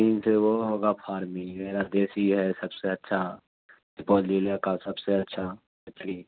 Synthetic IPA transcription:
iːnseʋoɦoːɡapʰaːɾmĩmeːɾad̪eːsiɦɛsəbseɐtːʃʰa | ɪpɔːlilakasəbseətːʃʰa | ɪt̪li

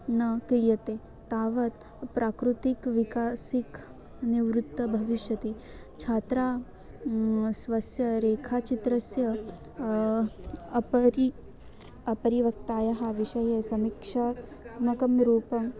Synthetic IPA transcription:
nɐkɾijɐt̪e | t̪aːʋɐt̪ | pɾʔaːkɾut̪ikʋikaːsik | niʋɾut̪ːɐbʱɐʋiʃjɐt̪i | t͡ʃʰaːt̪ɾaː | sʋɐsjɐɾeːkʰaːt͡ʃit̪ɾɐsjɐ | ɐpɐɾi | ɐpɐɾiʋɐkt̪aːjɐɦɐʋiʃɐjesɐmikʂa | mɐkɐmɾuːpɐm

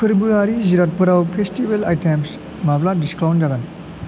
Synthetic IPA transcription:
pʰeɾbuaɾiziɾat̚pɐɾawpʰestibelajtems | mapladisklawnd͡ʒaɡan

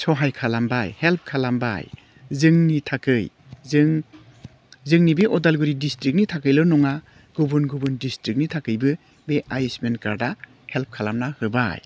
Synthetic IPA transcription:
sɔɦajkʰalambajhelp̚ʰkʰalamba̰j | zɯŋnitʰakɯj | zɯŋ | zɯŋnibiʔɔdalɡuɾidistɾik̚nitʰakɯjlɯnɔŋa | ɡ̥ubunɡubɯndistɾik̚nitʰakɯjbɯ | beʔajesmenka̰ɾda | help̚kʰalamnahɯba̰j

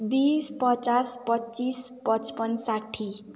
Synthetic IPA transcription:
b̪ispʌt͡saspʌtːt͡sispʌt͡spʌnsaʈʰi

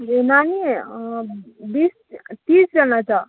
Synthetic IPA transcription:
inani | bis | t̪ĩsd͡ʒʌnat͡sa

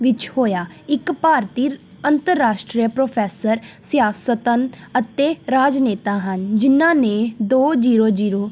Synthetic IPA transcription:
ʋɪt͡ʃhoːjaː | ɪkpaːɾt̪iː | ənt̪əɾːaːʃʈɾiːəpɾoːpʰɛːsəɾsjaːsət̪ənət̪eːɾaːd͡ʒneːt̪aːɦənd͡ʒɪnãːneːd̪oːd͡ʒiːɾoːd͡ʒiːɾoː

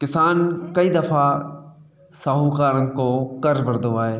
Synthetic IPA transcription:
kɪsaːnkɐiːd̪ɐfa | saːɦukaːɾənɪ̆koːkɐɾʋɐɾd̪oaːɦeː

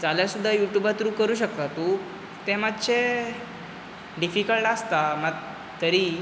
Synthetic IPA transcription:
t͡saljasud̪ʱːajuʈjubat̪ɾuːkəɾuːɕək̚t̪at̪u | t̪emad̪ɕe | ɖifikəlʈast̪aməɡ | t̪əɾi

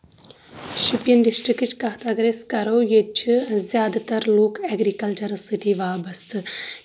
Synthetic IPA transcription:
ʃipjɐnɖisʈɾikt͡ʃkɐɦt̪aːɡɾeːskɐɾoːjet͡ʃʰizjaːd̪ɐt̪ɐɾloːkɛɡɾikɐlt͡ʃɐɾsit̪iʋaːbɐst̪ʰɨ

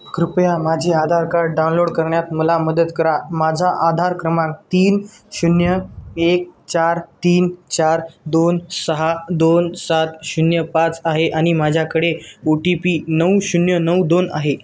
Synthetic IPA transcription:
kɾupjamad͡ʑʱiad̪ʱaɾkaɾɖɖawnloɽkəɾɳjat̪məlaməd̪ət̪kəɾamad͡zʱaʔad̪ʱaɾkɾəmãk̚t̪iːn | ɕunjəek̚t͡ɕaɾt̪iːnt͡ɕaɾd̪onsəɦad̪onsat̪ɕunjəpat͡saɦeʔaɽ̃imad͡ʑʱjakəɽeoʈipiːnəwɕunjənəwd̪ona̰ɦe

